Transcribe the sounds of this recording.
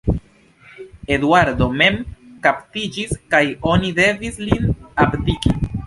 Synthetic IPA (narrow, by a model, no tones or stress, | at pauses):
e̞d̪waɾd̪o̞me̞mkaptid͡ʒiskajo̞nid̪e̞vislinapd̪iki